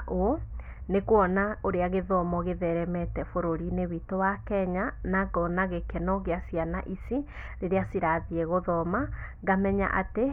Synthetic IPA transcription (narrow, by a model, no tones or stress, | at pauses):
ʔo | nekwɔnaoɾeaɣeðɔmɔɣeðɛɾɛmɛtɛfoɾoɾinewitowakɛɲanaɡɔnaɣekɛnɔɣeasiana̰ʔisi | ɾeɾeasiɾaðiɛɣoðɔma | ɣamɛɲa̰ʔate